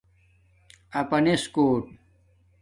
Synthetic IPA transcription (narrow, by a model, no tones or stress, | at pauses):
ɐpɐneskoːʈ̚